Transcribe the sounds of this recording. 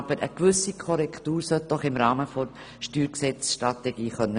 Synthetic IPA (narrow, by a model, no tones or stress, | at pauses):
b̥əɾə̰kvʏsikʰɔɾɛktuːɾsœt̚d̥ɔχɪmɾaːməfɔ | ʃtyːɾksɛt͡sʃtɾatɛɡ̥iːχœnːə